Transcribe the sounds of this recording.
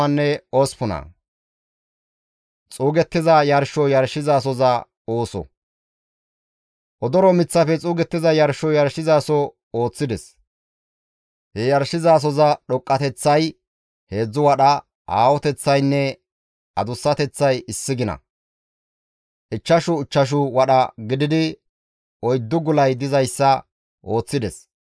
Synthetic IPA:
ɐnːɛoːspʊnɐ̰ | t͡sʼuːɡɛt̪ːɪzɐjɐɾʃɔjɐɾʃːɪzaːs̬ɔzɐ | oːsɔ̰ | ʔɔd̪ɔɾɔmɪt͡sːɐfɛt͡sʼuːɡɛt̪ːɪzɐjɐɾʃɔjɐɾʃɪzaːsɔ | o̞ːt͡sːɪd̪ɛs | hɛjɐɾʃɪzaːs̬ɔzɐɗɔkʼːɐt̪ɛt͡sːɐj | he̞ːd͡zːʊwɐɗɐ | aːwɔt̪ɛt͡sːɐjnːɛ | ʔɐd̪ʊsːɐt̪ɛt͡sːɐjɪsːɪɡɪnɐ̰ | ʔɪt͡ʃːɐʃʊɪt͡ʃːɐʃ̬ʊwɐɗɐɡɪd̪ɪd̪ɪ | ʔɔjd̪ːʊɡʊlɐjd̪ɪzɐjsːɐ | ʔo̞ːt͡sːɪd̪ɛs

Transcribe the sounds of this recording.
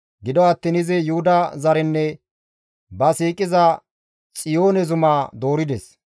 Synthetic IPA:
ɡɪd̪ɔɐt̪ːɪnɪzɛjʊhʊd̪ɐzɐɾɛnːɛ | bɐsiːkʼɪzɐ | t͡sʼɪjo̞ːnɛzʊmaːd̪o̞ːɾɪd̪ɛs

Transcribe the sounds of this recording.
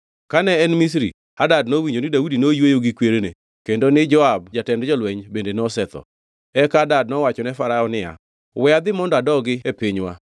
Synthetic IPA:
kanɛːnmis̬ɾi | adadnowiɲd͡ʒonɪdaudinojwejoɡɪkweɾene | kendonɪd͡ʒɔabd͡ʒatɛndd͡ʒɔlwɛɲbendenɔsɛt̪ɔ̰ | ɛkadad̚nɔwat͡ʃɔnɛfaɾaɔnɪja̰ | wɛad̪ɪmɔndɔadɔɡɪepiɲwa̰

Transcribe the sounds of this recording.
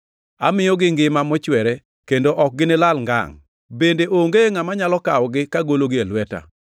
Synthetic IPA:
a̰mɪjɔɡɪŋɡɪmamɔt͡ʃwɛɾɛ | kendoʔɔk̚ɡɪnɪlalŋɡa̰ŋ | bendeʔoŋɡeŋamaɲalɔkawɔɡɪkaɡoloɡɪalwɛta̰

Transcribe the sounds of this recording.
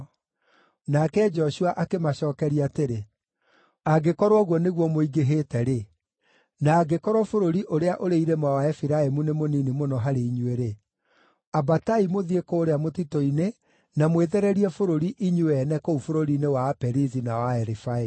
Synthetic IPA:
nakɛd͡ʒɔɕuaʔakemaɕɔːkɛɾiateɾe | aɡekɔɾwɔɣwɔneɣwɔmoiɡeɦeːtɛɾe | naːɡekɔɾɔfoɾoɾiʔoɾeaʔoɾeiɾemawaɛfiɾaemunemoninimonɔɦaɾeiɲweɾe | abataimoðiekɔːɾeamotitɔine | namweðɛɾɛɾiɛfoɾoɾiʔiɲuwɛnɛkoufoɾoɾinewapɛɾizinawaɛɾifae

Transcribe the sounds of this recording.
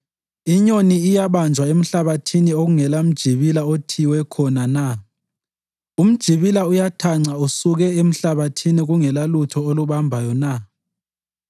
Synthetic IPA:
iɲoniːjaβand͡ʒʱwaem̩ɬaβatʰinioɣuŋɛlam̩d̥ʒ̥ʱiβilaotʰiwɛkʰɔnana | um̩d̥ʒ̥ʱiβilaujatʰaŋ͡ǀausuɣɛem̩ɬaβatʰiniɣuŋɛlalutʰɔoluβambʱajɔna

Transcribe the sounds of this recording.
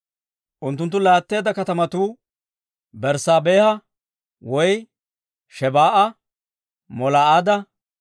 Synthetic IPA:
ʔʊnt̪ːʊnt̪ːʊlaːt̪ːe̞ːd̪ɐkɐt̪ɐmɐt̪uː | bɛɾsaːbe̞ːhɐ | wɔj | ʃɛbaːʔɐ | mɔlaːaːd̪ɐ

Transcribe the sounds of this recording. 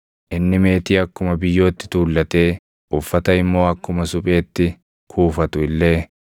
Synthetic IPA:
ʔɪnːɪme̞ːt̪iːɐkːʊmɐbɪjːo̞ːt̪ːɪ̥t̪uːlːɐt̪e̞ː | ʔʊfːɐt̪ɐɪmːo̞ːɐkːʊmɐsʊpʼe̞ːt̪ːɪ | kʰuːfɐt̪ʊɪlːe̞ː

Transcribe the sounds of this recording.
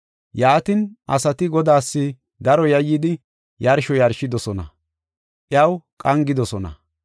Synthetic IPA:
jaːt̪ɪnʔɐ̰sɐt̪ɪɡɔd̪aːsːɪ | d̪ɐɾɔjɐjːɪd̪ɪ | jɐɾʃɔjɐɾʃɪd̪ɔsɔnɐ̰ | ʔɪjɐwkʼɐŋɡɪd̪ɔsɔnɐ̰

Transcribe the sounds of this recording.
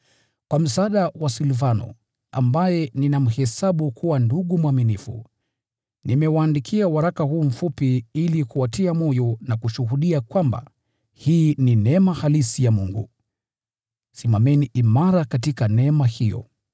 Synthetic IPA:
kwam̩saaːɗawasilvanɔ̰ | a̰mbajɛninam̩hɛsaɓukʰuwanduɠumwaminifṵ | nimɛwaːndikʰiawaɾakahuːm̩fupiilikuwatiamɔjɔnakuʃuhuɗiakwamba̰ | hiːninɛmahalisijamuŋɡṵ | simamɛniʔimaɾakatikanɛmahijɔ̰

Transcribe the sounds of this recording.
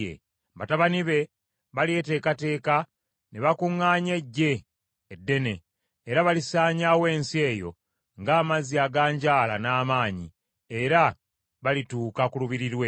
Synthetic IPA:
ḛ | βataβaniβe̞ | βalie̞te̞ːkate̞ːka | neβakuŋːaːɲe̞ɟːe̞ː | dːe̞ne̞ː | ɾaβalisaːɲawe̞ːnsie̞ːjo̞̰ | ŋɡaːmaziaɡaːɲɟaːla̰naːmaːɲḭ | e̞ɾa | βalituːkakuluβiɾiɾwe

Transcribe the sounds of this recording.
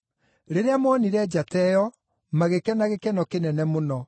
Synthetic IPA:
ɾeɾeamɔniɾɛd͡ʑatɛjɔ | maɣekɛnaɣekɛnɔkenɛnɛmonɔ

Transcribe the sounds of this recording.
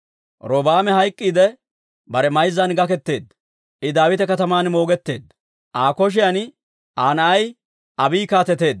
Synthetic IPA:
ɾoːbaːmɛɦɐjkʼːiːd̪ɛ | bɐɾɛmɐjzːɐnɡɐkɛt̪ːe̞ːd̪ | ʔɪd̪aːwɪt̪ɛkɐt̪ɐmaːnmo̞ːɡɛt̪ːe̞ːd̪ | ʔaːkɔʃ̬ɪjɐn | ʔaːnɐʔɐj | ʔɐbiːkaːt̪ɛt̪e̞ːd̪

